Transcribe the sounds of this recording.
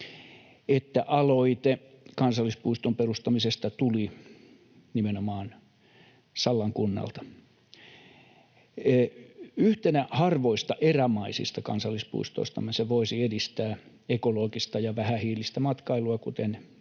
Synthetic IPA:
et̪ːæʔɑloit̪e | kɑnsɑlːispuist̪omperust̪ɑmisest̪ɑt̪uli | nimenomɑːn | sɑlːɑŋkunːɑ̰lt̪ɑ̥ | yht̪enæhɑrʋoist̪ɑʔeræmɑisḭst̪ɑkɑnsɑlːˑispṵist̪o̰ist̪ɑ̰mːenseʋoisiedist̪æː | ekoloːɡist̪ɑjɑʋæhæhiːlist̪æmɑt̪kɑiluɑkut̪en

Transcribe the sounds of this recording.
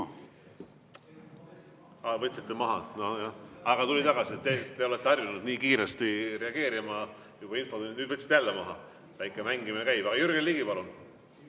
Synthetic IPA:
ɑvɤt̪ʲsit̪ːˑemɑɦɑ̰nojɑɑɡ̥ɑt̪ulit̪ɑɡ̥ɑsiet̪t̪ːet̪ːe̞o̞let̪ːɑrjunud̪̥niːkiːɾest̪iɾe̞ɑɡ̥e̞ːɾimɑ | jub̥ɑinfounnyːd̪vɤt̪sit̪eælːemɑɦɑ̰ | væjkːˑemæŋɡiminekæjb̥ɑɡ̥ɑjyɾɡ̥eliːɡipɑlun

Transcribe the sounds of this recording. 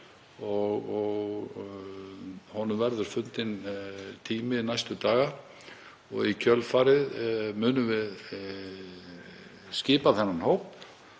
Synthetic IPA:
ɔɣɔɣ | hɔnʏmvɛɾðʏɾ̥fʏnt̪ɪnt̪ʰiːmɪnajst̪ʏt̪aːɣa | ɔɣicʰœlfaːɾɪðmʏːnʏvɪð | scɪːpaθɛnːanhowp

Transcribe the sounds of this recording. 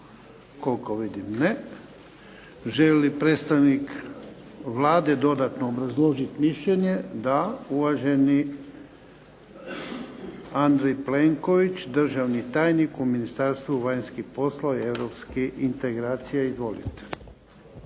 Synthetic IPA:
ko̞lkoʋid̪imne | ʒelipɾeːt̪st̪aʋnik | ʋlaːd̪e̞d̪o̞d̪at̪noːbɾazlˠo̞ʒit̪miʃʎeɲe̞d̪auʋaʒe̞ni | and̪ɾejpleŋko̞ʋit͡ʃd̪r̩ʒaʋnit̪aːjnikuminist̪aɾst̪ʋuʋajɲskixpo̞slˠaieʋɾopskiint̪eɡɾaːt̪sijeizʋo̞lḭt̪

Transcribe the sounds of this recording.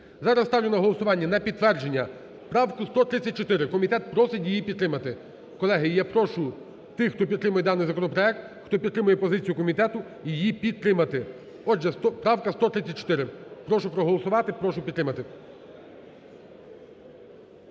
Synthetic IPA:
zɑɾɐst̪ɑwlʲenɐɦɔlˠɔsʊʋɑnʲːɐnɐpʲid̪̚t̪ːʋɛrd͡ʒenʲːɐ | pɾɑwkʊst̪ɔt̪ɾɪt͡sʲːɐt̚ʲt͡ʃɔt̪ɪɾɪkɔmʲit̪ɛt̪̚pɾɔsɪtʲjijipʲid̪t̪ːɾɪmɐt̪ɪ | kɔlˠɛɦɪjjapɾɔʃʊ | t̪ɪxt̪ɔpʲid̪ɾɪmʊjɛd̪ɑnːɪjzɐkɔnɔpɾɔɛk̚t̪ | xt̪ɔpʲid̪t̪ːɾɪmʊjɛpɔzɪt͡sʲijʊkɔmʲit̪ɛt̪ʊ | ijipʲid̪̚t̪ːɾɪmɐt̪ɪ | ɔʒɛst̪ɔpɾɑwkɐst̪ɔt̪ɾɪt͡sʲːɐt̚ʲt͡ʃɔ̥t̪ɪɾɪpɾɔʃʊpɾɔɦɔlˠɔsʊʋɑt̪ɪpɾɔʃʊpʲid̪ɾɪmɐt̪ɪ

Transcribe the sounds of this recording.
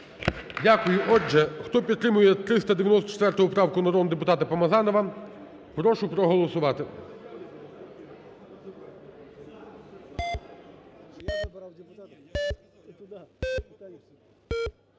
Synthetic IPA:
dʲakʊjʊʔɔd͡ʒɛxt̪ɔpʲid̪t̪ːɾɪmʊjɛt̪ɾɪst̪ɐd̪eʋʲjnɔst̪ɔ̥t͡ʃɛt̪ʋɛrt̪ɔɦʊpɾɑwkʊnɐɾɔnd̪epʊt̪ɑt̪ɐpɐmɐzɑnɔʋɐ | pɾɔʃʊpɾɔɦɔlˠɔsʊʋɑt̪ɪ

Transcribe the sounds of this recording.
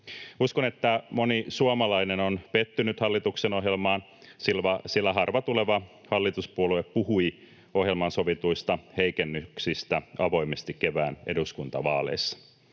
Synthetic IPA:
uskonet̪ːæmonisuomɑlɑinenonpet̪ːynyt̪hɑlːit̪ukseno̞ɦjelmɑːn | silʋɑsilːæɦɑrʋɑt̪uleʋɑ | hɑlːit̪uspuolueppuhui | o̞ɦjelmɑnso̞ʋit̪uist̪ɑheikenːyksist̪æɑʋo̞imest̪ikkeʋæːne̞duskunt̪ɑʋɑːlḛsːɑ̥

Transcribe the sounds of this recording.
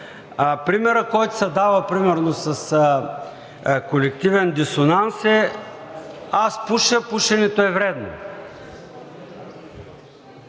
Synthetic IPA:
pɾimɛɾəkɔjt̪ʊ̥sɐd̪avəpɾimɛɾnosɐs | kolɛk̚t̪ivɛnd̪isonansɛ | aspuʃəpuʃɛnɛt̪oɛvɾɛd̪no̰

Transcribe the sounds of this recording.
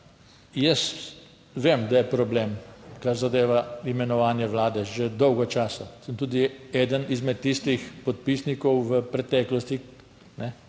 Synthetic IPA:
jəst̪ | ʋemd̪ajɛpɾɔbleːmkaɾzad̪eːʋaimɛnɔʋaːnjɛʋlaːd̪ɛʒed̪ɔwɡɔt͡ʃaːsɔsəmt̪uːd̪iɛːd̪ənizmɛt̪ːiːst̪ixpɔt̪̚piːsnikɔwʋəpɾɛt̪ɛːklɔst̪i | nɛ

